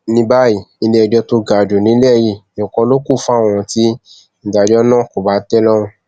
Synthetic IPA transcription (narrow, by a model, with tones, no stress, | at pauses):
nĩ˧ba˦i˦˨i˧le˦ɛ˧d͡ʒɔ˧to˧ɡa˨d͡ʒo˨nĩ˨˦lɛ˦˨ji˧˨nũ˨kɔ̃˧˦lo˦ku˦˨fũ˦a˦˨w̃ɔ̃˧ti˧˦ | n̩˨da˨d͡ʒɔ˦nã˦˨ko˨ba˨˦tɛ˦lɔ˦ɾ̃ũ˧